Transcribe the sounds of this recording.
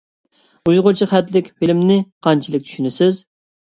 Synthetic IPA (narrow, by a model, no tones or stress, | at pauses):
ujʁʊt͡ʃʰiχɛt̪lɪkʲfɪlɪmnɪqʰɑnt͡ʃʰilˠɨk̚ʲt͡ʃʰy̥ʃynɪsɪz